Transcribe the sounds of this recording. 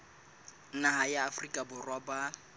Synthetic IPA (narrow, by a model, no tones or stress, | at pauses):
nahajaːfrikʼabʊrwaba